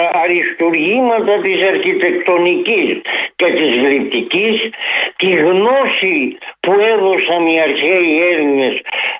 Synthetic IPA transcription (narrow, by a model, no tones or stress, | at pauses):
ɾist̪uɾɣimɐt̪ɐt̪isɐɾkit̪ekt̪onikisket̪izɣlip̚t̪icist̪izɣnosipuɛðosɐmiaɾçejɛɾɲes